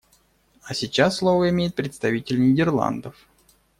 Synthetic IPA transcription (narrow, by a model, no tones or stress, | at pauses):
asʲɪt͡ɕasːlˠovəɪmʲejɪt̪̚pɾʲɪt̪st̪ɐvʲitʲɪlʲnʲɪdʲɪrlˠa̰nd̪əf